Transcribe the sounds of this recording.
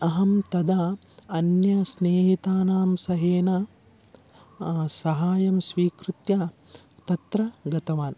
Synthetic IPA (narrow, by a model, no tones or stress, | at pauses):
ɐɦɐmt̪ɐd̪a | ɐnjɐsneːɦit̪aːnaːmsɐɦeːnɐ | sɐɦaːjɐmsʋiːkɾut̪jaː | t̪ɐt̪ɾɐɡɐt̪ɐʋaːn